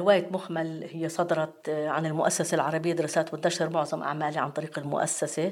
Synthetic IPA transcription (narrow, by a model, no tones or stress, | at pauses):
ɪwaːjɪt̪mʊxmalhɪjːesˤɑd̪ɑɾˤɑt̪ʕanɪlmʊʔasːasalʕɑɾˤɑbɪjːad̪ɪɾsaːt̪wɪt̪nːaʃhɪɾmʊʕzˤɑmʔa̰ʕmaːliʕa̰nt̪ˤɑɾiːqɪlmʊ̰ʔa̰sːase